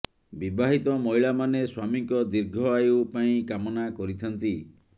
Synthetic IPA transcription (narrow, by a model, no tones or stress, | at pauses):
bibaɦit̪ɔmɔjɭamaneswamiŋkɔd̪iɾɡʱɔajupaĩkamɔnakɔɾit̪ʰɔnt̪i